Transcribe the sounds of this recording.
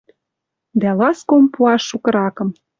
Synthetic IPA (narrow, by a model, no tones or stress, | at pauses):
d̪ælɑskompuɑʃːukɤ̆ɾɑkɤ̆m